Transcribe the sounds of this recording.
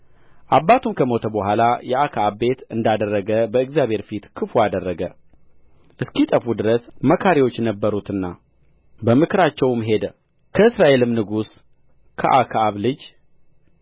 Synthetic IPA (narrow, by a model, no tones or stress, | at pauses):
ʔabːat̪ʰumkʰəmo̞t̪ʰəbəhʷalajɛakʰaβbe̞t̪ɨnd̪ad̪ərːəɡəbəɨɡzjaβʱhe̞ɾfit̪kʰɨfuad̪ərːəɡə | ʔɨskit̪ʼəfud̪ɨɾəsməkʰaɾiwo̞t͡ʃːjɛnəbːəɾut̪ɨnːa | bəmɨkʰɨɾat͡ʃːɛwmɦe̞d̪ə | kʰəɨsɾaʔe̞lɨmnɨɡus | kʰəʔakʰaβlɨd͡ʒ